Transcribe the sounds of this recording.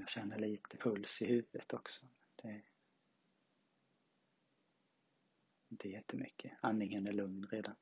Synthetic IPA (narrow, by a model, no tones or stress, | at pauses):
jɑːɡɕɛnːəɭiːt̪ʰəpʰɵlsɪhʉ̟ːvət̪ʰɔksɔ | d̪̥ɛ | ɪnt̪ʰəjɛt̪ʰːəmʏkʰːəanːɪŋənæɭɵŋnɾeːd̪an